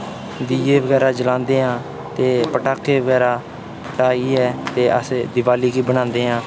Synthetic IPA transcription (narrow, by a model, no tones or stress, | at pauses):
d̪iːeːʋəɡɛːɾaːd͡ʒəlãːnd̪eːɦãː | t̪eːpəʈaːkeːʋəɡɛːɾaː | pʰəʈaːiːɛːt̪eːə̰sd̪ɪʋaːliːɡiːbəɽ̃ãːnd̪eːɦãː